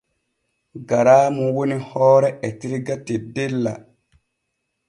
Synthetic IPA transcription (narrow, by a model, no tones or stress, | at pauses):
ɡaɾaːmuwonihɔːɾɛʔɛtiɾiɡatedelːa̰